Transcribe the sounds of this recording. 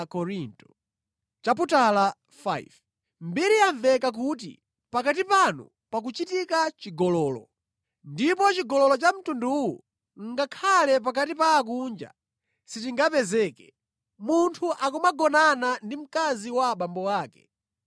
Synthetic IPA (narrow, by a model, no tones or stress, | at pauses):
kɔɾintɔ̥ | t͡ʃap̬utala | fa̰jv | mbiɾiaɱvɛkak̬utḭ | pakatipanṵ | pak̬ut͡ʃitikat͡ʃiɡɔlɔːlɔ̰ | ndipɔt͡ʃiɡɔlɔlɔt͡ʃam̩tunduwṵ | ŋ̩ɡakʰalɛp̬akatipaːk̬und͡ʒa̰ | sit̬iŋɡapɛzɛːkɛ | muntʰuʔakumaɡɔnanandim̩kaziwaɓambɔwaːkɛ̥̰